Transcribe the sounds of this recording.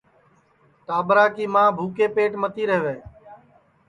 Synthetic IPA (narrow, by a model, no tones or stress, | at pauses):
t̪aːbɾaːkiːmãːbʱuːkeːpeːʈmət̪iːɾəɦʋeː